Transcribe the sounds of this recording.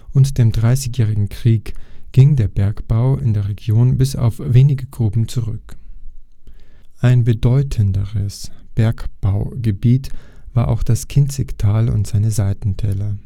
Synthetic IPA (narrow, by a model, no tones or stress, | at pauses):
ʔʊntd̥eːmdʁaɪsɪçjɛːʁɪɡŋ̩kʁ̥iːkɡ̥ɪŋdeːɐbɛɐkb̥aʊɪ̰ndeːɐʁeɡjoːnbɪsa̰ʊfv̥eːnɪɡəɡ̥ʁʊbm̩t͡suʁʏk | ʔaɪnbədɔʏtʰəndəʁəsb̥ɛɐkb̥aʊɡəbiːtv̥aːɐʔa̰ʊxd̥askʰɪntsɪktʰaːlʊ̰ntz̥aɪnəzaɪtn̩tʰɛlɐ